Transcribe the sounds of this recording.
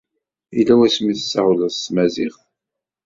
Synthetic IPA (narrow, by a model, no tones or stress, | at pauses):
ilːæwæsmiθə̥sːaʁləðsmæziχ